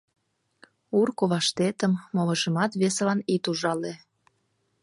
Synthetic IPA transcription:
urkoβɑʃt̪et̪əmːoβə̆ʒəmɑt̪βeselɑnit̪uʒɑle

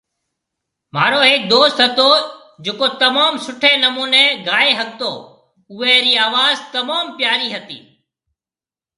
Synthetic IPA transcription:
m̤aːɾoːɦek̚d̪oːst̪ɦət̪oː | d͡ʒeːkoːt̪əmaːmsʊʈʰẽːnəmuːneːɡʱaːeːɦək̚t̪oː | ʊʋeːɾiːaːʋaːzt̪əmaːmpjaːɾiːɦət̪ḭː

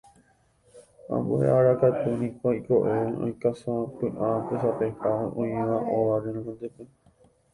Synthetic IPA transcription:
ã̰mboḛaɾakat̪unĩkoikoʔeõ̰jkasãpɨ̃ʔãpɨsapehaaʔõj̃ẽʋãʔõʋaɾenõŋõnd̪epe

